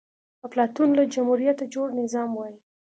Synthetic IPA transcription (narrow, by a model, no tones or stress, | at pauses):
əplɑt̪unlad͡ʒamhuɾijat̪ad͡ʒoɽnɪzɑmwɑji